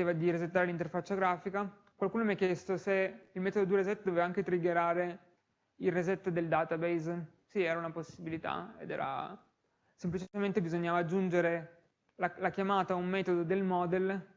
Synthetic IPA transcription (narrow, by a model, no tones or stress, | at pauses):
eːvad̪iɾezet̪ːaːɾelint̪̬erfat͡ʃːaɡɾaːfika | kwalkuːnomjɛkːjɛst̪oseilmɛːt̪od̪od̪iɾezɛt̪ːd̪ovevaaŋk̟et̪ɾiɡeɾaːɾe | ilrezet̪ːd̪eld̪aːt̪abejz | siɛːɾaunaposːibilit̪a̰ḛd̪ɛ̰ːɾa̰ | semplit͡ʃit͡ʃement̪ebizoɲːaːvaːd͡ʒːund͡ʒeɾe | lalakjamaːt̪aumːɛːt̪od̪od̪elmɔːd̪el